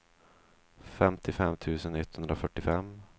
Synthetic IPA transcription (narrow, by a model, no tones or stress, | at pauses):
fɛmt̪ʰɪfɛmːt̪ʰʉ̟ːsənɛt̪ːhɵnd̪ɾafœʈːɪfɛm